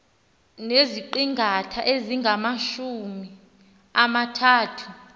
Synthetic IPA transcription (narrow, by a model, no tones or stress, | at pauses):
neziǃiŋɡʱatʰa̰ʔeziŋɡʱamaʃumi | amatʰaːtʰu